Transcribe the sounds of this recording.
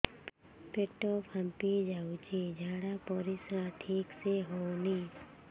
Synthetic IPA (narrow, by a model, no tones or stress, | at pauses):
peʈoːpəmpid͡ʒaːut͡ʃed͡ʒʱaːɽapɔɾisɾaʈʰiːkseɦonĩː